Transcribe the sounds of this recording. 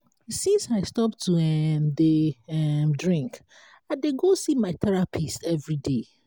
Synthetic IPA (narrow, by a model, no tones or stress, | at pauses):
sĩnsaɪstɔp̚tʰːuɛmdeɛmdɹĩŋk | ãdeɡosimaɪt̪ʰɛɹapʰisɛvɹide